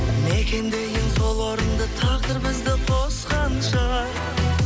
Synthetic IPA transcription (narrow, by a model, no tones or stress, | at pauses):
mekʲend̪e̞jɪnso̞lˠwoɾənd̪ɑt̪ʰɑʁd̪əɾbɪzd̪ɪqʰosqɑnʃəʁɑɾ